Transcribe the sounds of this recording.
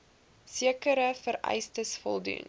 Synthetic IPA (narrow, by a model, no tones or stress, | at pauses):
siəkəɾəfəɾɛ̰jstəsfɔ̰lˠdṵn